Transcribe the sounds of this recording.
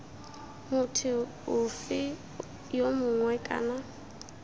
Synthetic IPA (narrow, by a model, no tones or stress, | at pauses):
mʊtʰɪ | ʊfɪ | jomʊŋwɛkʼa̰ːna